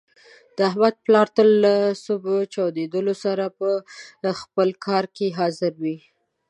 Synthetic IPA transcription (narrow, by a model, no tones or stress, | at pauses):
d̪̥əaɦmad̪̚plɑɾt̪əlːasobot͡ʃɑwd̪ed̪əlosaɾapəxpəlkʰɑɾkeɦɑzɪɾwi